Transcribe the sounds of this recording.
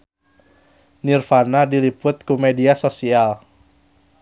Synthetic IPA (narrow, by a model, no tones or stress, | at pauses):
nirfanadilipʊt̪̚kumediasosial